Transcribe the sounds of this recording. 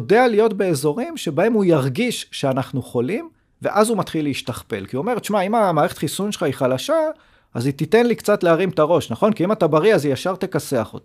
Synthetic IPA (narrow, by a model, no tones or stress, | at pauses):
ode̞alijo̞tbe̞eːzo̞ʁimʃe̞bae̞mujaʁɡiʃʃeanaχnuχo̞lim | ve̞̰ʔazumat̪χilːeiʃtaχpe̞̰lkiuo̞me̞ʁet̪ʃmaimamaːʁeχet̪χisunʃelχaiχalaʃa | ʔazit̪ite̞nlikt͡satleaʁimt̪aʁo̞ʃnaχo̞nkiimat̪abaʁiazijaʃaʁt̪e̞kaseaχo̞̰t̪i̥